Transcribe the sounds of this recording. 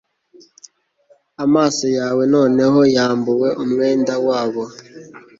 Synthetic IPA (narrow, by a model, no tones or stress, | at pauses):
amaːsɔjawenɔneɦɔjambʊweʔomŋendawaːβɔ